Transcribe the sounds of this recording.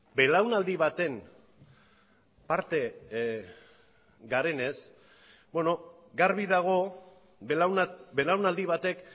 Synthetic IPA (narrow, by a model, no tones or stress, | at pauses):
be̞lawnald̪iβ̞at̪e̞n | paɾt̪e̞ | ɡaɾe̞ne̞s | bo̞no̞ | ɡaɾβiðaɣ̞o̞ | awnbe̞lawnald̪iβ̞at̪e̞k